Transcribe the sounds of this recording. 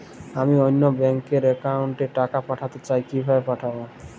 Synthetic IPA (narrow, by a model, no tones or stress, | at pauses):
amiojnːobɛŋkeɾekauɳʈeʈakapaʈʰat̪et͡ɕajkibʱabepaʈʰabo